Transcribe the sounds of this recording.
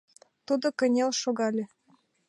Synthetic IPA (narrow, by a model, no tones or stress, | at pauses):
t̪ud̪okɘ̆nʲelʃoɣɑlʲĕ